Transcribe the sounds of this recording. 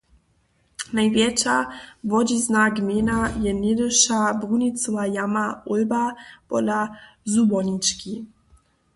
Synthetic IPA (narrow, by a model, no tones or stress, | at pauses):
najvjɛt͡ʃavɔd͡ʑiznaɡmʲenajɛned̪əʃabʁunit͡s̪ɔvajamaɔlbapɔd̪a | zubɔnit͡ʃki